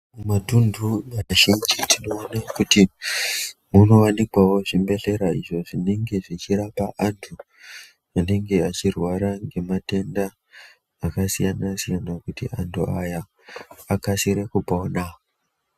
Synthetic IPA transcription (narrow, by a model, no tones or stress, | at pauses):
mumatunduaʒind͡ʒitʰino̞ːnakuti | muno̞wanikwawo̞ʐimbe̞ɬe̞ɾaḭʐo̞ʐine̞ŋɡe̞ʐit͡ʃiɾapaʔantʰu | ane̞ŋɡe̞at͡ʃirwaɾaŋɡe̞mate̞ndaː | kasijanasijanakutiʔantʰuʔajaː | kasiɾekupoːna